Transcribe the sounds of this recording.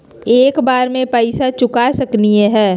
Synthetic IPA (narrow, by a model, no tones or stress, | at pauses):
eːkbaːɾmẽpaɪsat͡ʃʊkasɐknieɦɛː